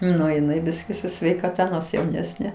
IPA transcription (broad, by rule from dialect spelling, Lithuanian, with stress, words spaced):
ˈnʊ jɪˈnɐɪ ˈbʲɪsʲkʲɪ sʊ sʲʋʲɛɪkɐˈtɐ ˈnoːrs jɛʊˈnʲæːsʲnʲeː